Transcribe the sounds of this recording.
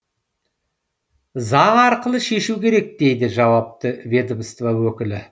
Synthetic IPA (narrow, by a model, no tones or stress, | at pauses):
zɑɴɑɾqəlˠəʃe̞ʃukʲʰe̞ɾe̞k̚d̪̥e̞jd̪ɪʒɑwɑp̚t̪əvʲe̞d̪əmst̪vawɵkʲɪlɪ